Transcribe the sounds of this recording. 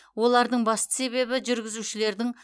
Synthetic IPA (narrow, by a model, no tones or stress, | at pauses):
wo̞lˠɑɾd̪əɴbɑst̪ə̥se̞βe̞bɪʒʏɾɡʲɪzuʃɪle̞ɾd̪ɪŋ